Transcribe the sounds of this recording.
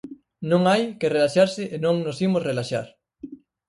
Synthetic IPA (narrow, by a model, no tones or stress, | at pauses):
nõŋajkɪrelaʃaɾsɪʔenõŋnosimosrelaʃa̰ɾ